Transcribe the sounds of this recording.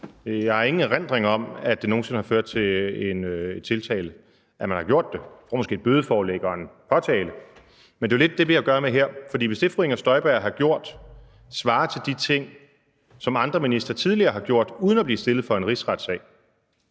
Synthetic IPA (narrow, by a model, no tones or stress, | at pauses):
jɑ̈ɪhɑ̈e̝ŋn̩ʁen̰d̥ʁeŋɒ̽mæd̥e̝no̝ːnse̝nəhɑ̈føɐ̰d̥̚t͡sʰe̝e̝ned̥t͡sʰe̝lt͡sʰɛ̰ːlə | ʔæmænhɑ̈ɡ̥jo̝ɐ̰d̥ːe̝fɒ̰mɔ̽sɡ̥e̝ːd̥̚bøːð̞ˠəfɒːleːɡ̥əɒ̽enpʰɒ̽t͡sʰɛːlə | mend̥e̝æɐled̥ːe̝ʋe̝jäɡ̥ɶːɐmeɦeɐ̰fɒ̽d̥ḭːʋe̝sd̥e̝fʁeŋɒsd̥ɒ̽ɪb̥æɐ̰ɦɑ̈ɡ̥jo̝ɐ̰d̥ | sʋɑ̈ːt͡sʰe̝ld̥it͡sʰe̝ŋ̰ | sɒ̽mɑ̈nd̥ʁɐminisd̥ɐt͡sʰið̞ˠliɐːɦɑ̈ɡ̥jo̝ɐ̰d̥uːð̞ˠnæbliːsd̥e̝lð̩ˠfɒ̽e̝nʁisʁɑd̥sɛ̰ːɪ